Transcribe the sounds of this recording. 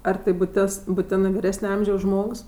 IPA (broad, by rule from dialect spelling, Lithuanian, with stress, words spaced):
ɐr ˈtɐɪ bʊˈtʲɪs bʊˈtʲɪnɜ ʋʲɪˈrʲæːsʲnʲɛ ˈɐmʲʒʲɛʊs ˈʒmoːks